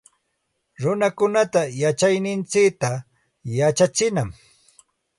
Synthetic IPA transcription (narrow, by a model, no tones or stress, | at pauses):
ɾʊnakʊnat̪ajat͡ʃajnɪnt͡sɪkt̪a | jat͡ʃat͡ʃɪnam